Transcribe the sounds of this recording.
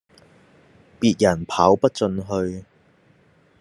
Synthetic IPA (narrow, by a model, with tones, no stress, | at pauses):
piː˧t̚jɐ˨˩npʰaː˨˥wpɐ˥t̚t͡sɵ˧nɦɵ˧ɥ